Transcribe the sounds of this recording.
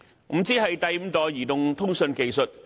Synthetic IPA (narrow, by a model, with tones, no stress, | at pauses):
m̩˨˧˥t͡siː˥hɐ˨jt̪ɐ˨jm̩˨˧t̪ɔː˨jjiː˨˩t̪ʊ˨ŋt̪ʰʊ˥ŋsɵ˧nke˨˧jsɵ˨t̚